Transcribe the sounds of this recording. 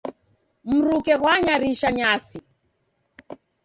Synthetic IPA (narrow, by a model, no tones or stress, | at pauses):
m̩ɾukɛɣwaɲaɾiʃaɲasi